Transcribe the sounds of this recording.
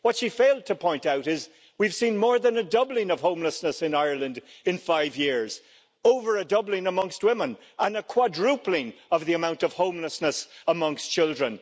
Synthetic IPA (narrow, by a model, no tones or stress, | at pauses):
wʌtʃifeɪlˠd̚tʰəpʰɔ̃ɪ̃ntaʊɾɪz | wiv̥sĩnmɔːɹðə̃nɨdʌblɪ̃ŋʌv̥hõʊ̃mləsnəsɨ̃naɪə˞lˠə̃ndɨ̃nfaɪvjɪɹz̥ | oʊvə˞ɨdʌblɪ̃ŋəmʌ̃ŋst̚wɪ̃mə̃n | ʔə̃nəkʰw̥adɹʉplɪ̃ŋʌvðiəmãʊ̃ntʌv̥hõʊ̃mləsnəsəmʌ̃ŋst͡ʃʰɪlˠdɹə̃n